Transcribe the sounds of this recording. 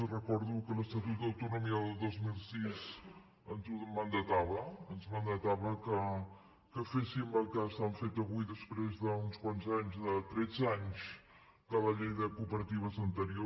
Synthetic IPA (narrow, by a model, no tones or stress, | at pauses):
rəkɔɾðukələst̪ət̪ut̪̚d̪əwt̪unumiəðəlˠd̪ozmilˠsiz | ənt̪uðəmənd̪ət̪aβəənzmənd̪ət̪aβəkə | kəfesimbəlˠkast̪aɱfet̪əβujðəspɾezðəunskwanzaɲzðət̪ɾɛd͡zaɲs | kaβəʎejðəkupəɾət̪iβ̞əzənt̪əɾio